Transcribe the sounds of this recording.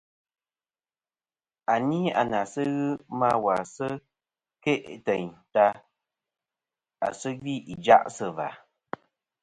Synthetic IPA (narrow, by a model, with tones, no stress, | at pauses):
a˨ni˦a̰˨na˨sə˦ɣɨ˦ma˦wa˨sə˦ | ke˦ʔtə˨ɲta˧ | a̰˨sə˦ɡi˦ʔi˨d͡ʒa̰˦ʔsə˨va̰˨